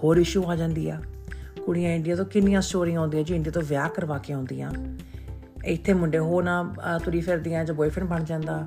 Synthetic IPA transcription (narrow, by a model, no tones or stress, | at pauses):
hoːɾɪʃuːaːd͡ʒãːnd̪iːɛ̰ːkʊɽɪjãːɪɳɖɪjãːt̪õːkɪnɪjãːsʈoːɾɪ̃ŋõːnd̪ĩːãːd͡ʒoɪ̃nd̪iːt̪õːʋjaːkəɾʋaːkeɦõːnd̪ijã̰ː | ɪt̪ʰːeːmʊɳɖeːɦoːɾnãːt̪ʊɾiːfʰeɾd̪ɪːãːd͡ʒaːboːipʰɪɳbəɳd͡ʒãːnd̪aː